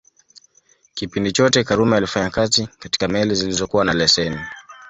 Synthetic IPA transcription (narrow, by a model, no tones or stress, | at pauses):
kipindit͡ʃɔtɛkaɾumajalifaɲakatikati̥kamɛlizilizɔkuwanalɛsɛni